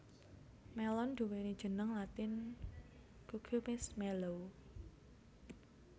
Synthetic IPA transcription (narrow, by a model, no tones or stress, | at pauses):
mɛlɔnɖ̥ṳwenid̥ʒ̥ə̤nəŋlat̪ɪn | kukʰumɪsmɛlow